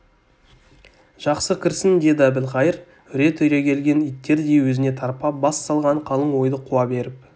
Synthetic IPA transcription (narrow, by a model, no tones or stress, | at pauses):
ʒ̥ɑqsəkʲʰɪɾsɪnd̪e̞d̪ɑbɪlʁɑjəɾ | ʏɾe̞t̪ʰʏjɾe̞kʲʰe̞lɡʲe̞nijt̪ːe̞ɾd̪e̞jwɵzɪne̞t̪ʰɑɾpɑbɑssɑlˠʁɑɴqʰɑlˠəɴwo̞jd̪əqʰuɑbe̞ɾɪp̚